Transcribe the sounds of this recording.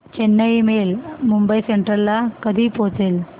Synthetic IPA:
t͡ɕenːəimelmumbəiseɳʈəɾːakəd̪ʱiːpot͡sel

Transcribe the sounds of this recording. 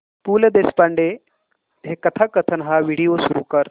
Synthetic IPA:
puːləd̪espaɳɖe | ɦekət̪ʰakət̪ʰənɦaʋiɽijosuɾṵkəɾ

